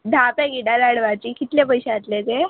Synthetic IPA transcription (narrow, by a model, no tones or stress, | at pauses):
d̪ʱapeɡiʈad̪aɽʋat͡ɕiːkit̪lepəjɕeat̪let̪e